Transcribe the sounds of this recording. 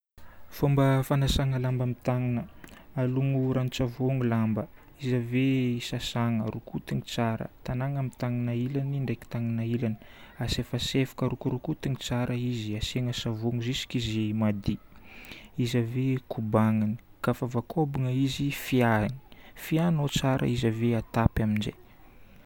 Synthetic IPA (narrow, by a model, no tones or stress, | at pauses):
fombəfanasaŋəlambamit̪aŋinəaluŋuɾanit͡savoŋulambə | izaveisasaŋərukut̪iŋit͡saɾə̰t̪anaŋamit̪aŋinailaniɳɖ͡ʐajki̥t̪aŋinailani̥asefasefḁkəɾukuɾukut̪iŋit͡saɾʔəiziaseŋəsavoŋuzisi̥kizimad̪i | izavekʰubaŋani̥kafavakʰobiŋəizifiani̥fianot͡saɾʔə̰izaveat̪apaminzḛj